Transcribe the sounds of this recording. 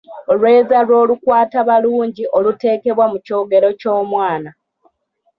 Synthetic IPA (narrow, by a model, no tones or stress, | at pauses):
olwe̞ːzalwo̞ːlukwaːtaβaluːɲɟiʔo̞lute̞ːke̞βwamuco̞ːɡe̞ɾo̞co̞ːmwaːna